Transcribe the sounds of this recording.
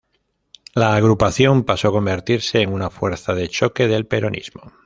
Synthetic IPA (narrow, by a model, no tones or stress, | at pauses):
laːɣ̞ɾupaθjo̞mpasoko̞mbe̞ɾt̪iɾse̞ːŋunafwe̞ɾθaðe̞t͡ʃo̞ke̞ðe̞lpe̞ɾo̞nʔḭzmo